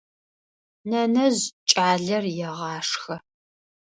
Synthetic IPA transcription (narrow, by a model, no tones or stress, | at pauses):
nɐnɐʑt͡ʃʼaːɮɐrjɛʁɑːʂxɐ